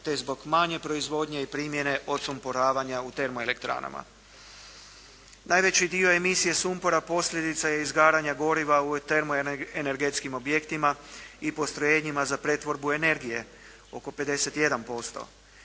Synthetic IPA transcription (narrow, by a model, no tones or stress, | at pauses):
t̪e̞zbo̞ɡmaɲe̞pɾo̞izʋo̞d̪ɲe̞ipɾimje̞ne̞ʔo̞t̪sumpoɾaːʋaɲaut̪e̞ɾmoe̞le̞kt̪ɾa̰na̰ma̰ | nʔajʋe̞t͡ɕid̪io̞e̞misije̞sumpo̞ɾapo̞sʎʲe̞d̪it̪saje̞izɡaːɾaɲaɡo̞ɾiʋaut̪e̞ɾmoene̞ɾɡet̪skimo̞bje̞kt̪imaipo̞st̪ɾojeːɲimazapɾe̞t̪ʋo̞ɾbuene̞ɾɡije̞ | o̞ko̞pe̞d̪e̞se̞t̪je̞d̪anpo̞st̪o̞̰